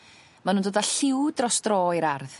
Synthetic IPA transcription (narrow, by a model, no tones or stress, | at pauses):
manuːndoːdaɬɪwdrɔsd̥rɔːiɾarð